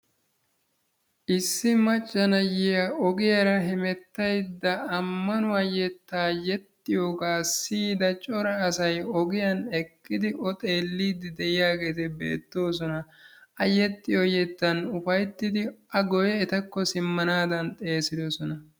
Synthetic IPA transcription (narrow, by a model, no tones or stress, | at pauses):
ʔɪsːɪmɐt͡ʃʼːɐnɐjɪjɐɔɡɪjɐɾɐɦɪmɛt̪ːɐjd̪ːɐːmːɐnʊɐjɛt̪ːaːjɛt̪ːɪjoːɡaːsiːd̪ɐt͡ʃʼɔɾɐːsɐjɔɡɪjɐnɛkʼːɪd̪ɪʔɔt̪ʼe̞ːlːiːd̪ɪd̪ɛʔɪjaːɡe̞ːt̪ɛbḛːt̪ːo̞ːs̬ɔnɐ | ɐjɛt̪ʼːɪjojɛt̪ːɐnʊfɐjt̪ːɪd̪ɪɐɡɔjɛːt̪ɐkːɔsɪmːɐnaːd̪ɐnt̪ʼe̞ːsɪd̪ɔsɔnɐ